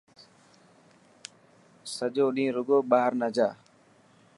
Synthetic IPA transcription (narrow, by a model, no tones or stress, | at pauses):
səd͡ʒoːɗĩːɾʊɡoːɓaːɾnad͡ʒaː